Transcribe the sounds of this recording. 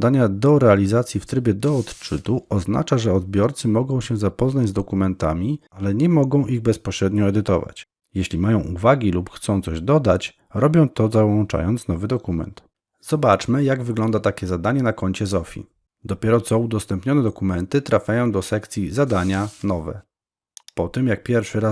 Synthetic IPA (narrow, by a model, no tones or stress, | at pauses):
d̪aɲad̪ɔɾɛalʲizat̪sʲjift̪ɾɘbʲjɛd̪ɔːt̪t͡ʂɘt̪uɔzna̰t͡ʂaʐɛɔd̪bʲjɔɾt̪sɘmɔɡɔ̃w̃ɕɛzapɔznad͡ʑzd̪ɔkumɛnt̪a̰mʲialɛɲɛmɔɡɔ̃w̃ʔiɣbɛspɔɕɾɛd̪ɲɔɛd̪ɘt̪ɔ̰va̰t͡ɕ | jeɕlʲimajɔ̃w̃ʔuvaɡʲilupxt̪sɔ̃w̃t̪sɔʑd̪ɔd̪at͡ɕ | ɾɔbʲjɔ̃w̃t̪ɔzawɔnt͡ʂa̰jɔnt̪snɔvɘd̪ɔkumɛ̰nt̪ | z̥ɔbat͡ʂmɘjaɡvɘɡlɔnd̪at̪akʲɛzad̪aɲɛnakɔɲt͡ɕɛzɔfʲḭ | d̪ɔpʲjɛɾɔt̪sɔ̃ud̪ɔst̪ɛmpɲɔnɛd̪ɔkumɛnt̪ɘt̪ɾafʲjajɔ̃w̃d̪ɔsɛkt̪sʲjizad̪aɲanɔvɛ̰ | pɔt̪ɛmjak̚pʲjɛɾfʂɘɾa